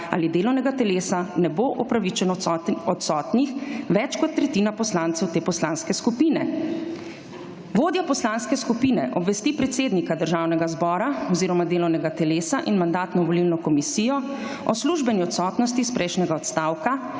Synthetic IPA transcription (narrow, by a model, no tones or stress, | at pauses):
a̰lid̪eːlɔwnɛɡat̪ɛleːsanɛboʔɔpɾaʋit͡ʃɛnɔɔt̪sɔːt̪nixʋɛt͡ʃkɔt̪ːɾɛt̪iːnapɔslant̪sɛwt̪eːpɔslaːnskɛskupiːnɛ | ʋoːd̪jɔpɔslaːnskɛskupiːnɛʔɔbʋɛst̪ipɾɛt̪seːd̪nikad̪əɾʒaːwnɛɡazbɔːɾaɔziːɾɔmad̪eːlɔwnɛɡat̪ɛleːsaʔinmand̪aːt̪nɔʋɔlilnɔkɔmisijɔ | ɔsluʒbɛniɔt̪sɔːt̪nɔst̪ispɾʔɛjʃnɛɡaɔt̪st̪aːwka